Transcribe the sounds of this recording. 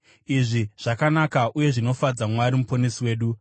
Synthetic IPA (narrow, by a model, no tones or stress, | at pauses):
iʐiʐ̥akanakaʔuje̞ʐino̞fad͡zamwaɾimupo̞nesiwe̞ːɗu